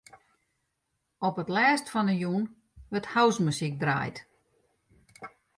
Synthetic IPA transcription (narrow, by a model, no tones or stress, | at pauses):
ɔpətlɛːstfɔnəjun | ʋəthawsməsik̚dra̰ːjt